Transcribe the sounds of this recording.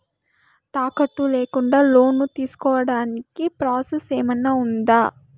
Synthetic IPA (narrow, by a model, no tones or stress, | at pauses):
t̪aːkɐʈːuleːkuɳɖaːlo̞ːnːut̪iːsu̥kɔːʋɐɽaːnikipɾaːseseːmɐnːaːund̪aː